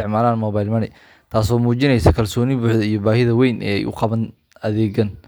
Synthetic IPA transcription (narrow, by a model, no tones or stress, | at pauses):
ɪʕmaːlaːnmɔːβajlmɐnɪ | t̪ʰaːsɔːmuːt͡ʃɪnɛjsɐkʰɐlsɔːnɪbuːħðɐijɔbaːɦɪðɐwɛjnʔɛ̰ːɛ̰jʔʊ̰qɑβɐn | ɐðɛːɡɐn